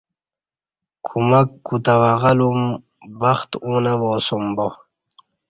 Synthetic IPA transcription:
kʰumakːut̪awaʁalum | baχt̪uːnawoːsumbo

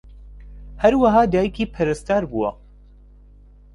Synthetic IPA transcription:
hɐɾwaɦaːd̪aːjikiːpʰɐɾɨst̪aːɾbuwɐ̰

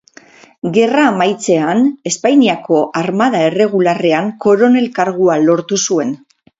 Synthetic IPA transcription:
ɡe̞raːmajt͡se̞ane̞spajniako̞ʔaɾmað̞aere̞ɣ̞ulare̞aŋko̞ɾo̞ne̞lkaɾɣualo̞ɾt̪usue̞n

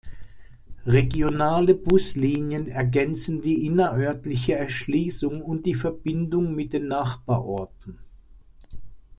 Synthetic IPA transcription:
ʁeɡjonaːləbʊsliːnjənɛɐɡɛnt͡sn̩diːʔɪnɐʔœɐtlɪçəɛɐʃliːsʊŋʊnt̚d̥iːfɛɐbɪndʊŋmɪt̚d̥eːnːaχb̥aːɐʔɔɐtn̩

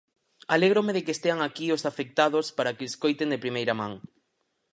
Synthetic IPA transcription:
aleɣɾomeðekest̪eaŋakiosafek̚t̪aðospaɾakeskojt̪eŋd̪epɾimejɾamãŋ

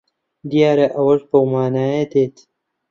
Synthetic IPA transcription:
d̪ijaːɾɐʔɐwɐʒbɐwmaːnaːjed̪eːt̪

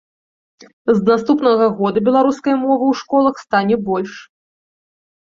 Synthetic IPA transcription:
znast̪upnɐɣɐɣɔd̪ɐbʲɛlˠaɾuskɐjɐmɔvɐwʂkɔlˠɐxst̪anʲɛbɔlʲʂ

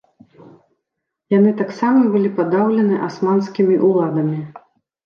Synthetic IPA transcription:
jan̪ɨt̪aksamɐbɨlʲipad̪awlʲɛnɨʔasmanskʲimʲiʔulˠad̪ɐmʲi

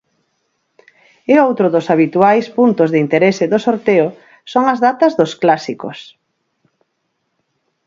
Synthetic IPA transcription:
eowt̪ɾʊðʊsaβ̞it̪uajspunt̪ʊzðɪint̪eɾesɪðʊsoɾt̪eʊ | soŋɐzðat̪ɐzðʊsklasiko̰s

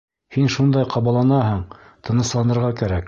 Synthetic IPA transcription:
hinʃund̪ɑjqʰɑβɑlˠɑnɑɦɤɴ | t̪ɤ̆nɤ̆slˠɑnɤ̆ɾʁɑkæɾæk

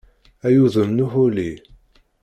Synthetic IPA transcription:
æjuðˤəmnuhuli

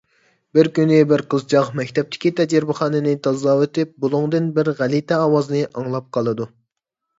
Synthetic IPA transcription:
bɪɾkʲynɪbɪɾqəzt͡ʃɑqmɛkʲt̪ʰɛp̚t̪ʰɪ̥kʲit̪ʰɛd͡ʒɪɾbɪχɑːnɨnɨt̪ʰɑzɑːwɨt̪ɪp̚bolˠʊŋd̪ɨnbɪɾʁælit̪ʰɛɑːwɑzɨnɨʔɑŋlˠɑp̚qʰɑlˠɨd̪u

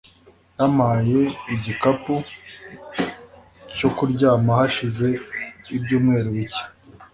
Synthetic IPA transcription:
jamaje̞iɟikapu | co̞kuɾɟaːmahaʃize̞ibɟuːmŋe̞ːɾuβice̥

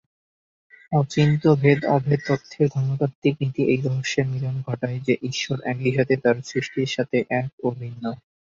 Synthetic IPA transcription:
ɔt͡ɕint̪obʱed̪ɔbʱed̪̚t̪ot̪ʰːeɾd̪ʱɔmok̪at̪ik̚nit̪iʔejɾɔɦoʃːeɾmilonɡʱɔʈaed͡ʑeʔiʃoɾʔɛkiʃat̪ʰet̪aɾsɾiʃʈiɾʃat̪ʰeʔɛkobʱinːo

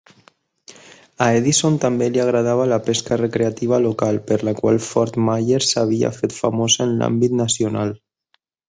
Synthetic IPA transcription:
aeðisont̪ambeliaɣ̞ɾað̞aβ̞alapeskarəkɾeat̪iβ̞alokalˠpəɾlakwa̰lˠfɔɾt̪majeɾsaβ̞ia̰fet̪famozaənla̰mbit̪nasiunalˠ

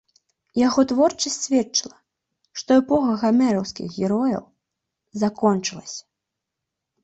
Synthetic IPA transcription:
jaɣɔt̪vɔrt͡ʂɐsʲtʲsʲvʲɛtt͡ʂɨlˠɐ | ʂt̪ɔɛpɔxɐɣamɛɾɐwskʲḭxɣʲɛɾɔjɐ̰w | zakɔnt͡ʂɨlˠɐsʲɐ̥

